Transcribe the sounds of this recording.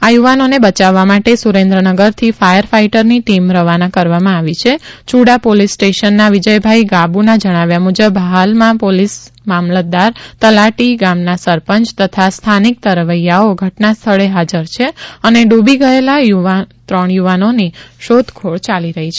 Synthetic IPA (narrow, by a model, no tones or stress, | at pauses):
ajuʋanonebət͡ʃaʋːamaʈesuɾẽnd̪ɾənəɡəɾt̪ʰifajəɾfaiʈəɾniʈimɾəʋanakəɾʋamãaʋit͡ʃʰet͡ʃʰuɽapolisːʈeʃənːaʋid͡ʒəjbʱaiɡabunad͡ʒəɽ̃aʋjamud͡ʒəbʱɦalmãpolis | mamlət̪̚d̪aɾt̪əlaʈiɡamnasəɾpəɲt͡ʃt̪ət̪ʰast̪ʰanik̚t̪əɾʋəjaoɡʱəʈnast̪ʰəɭeɦad͡ʒəɾt͡ʃʰeəneɖubiɡəelajuat̪ɾəɳjuʋanoniʃod̪ʱkʰoɭt͡ʃaliɾəɦit͡ʃʰe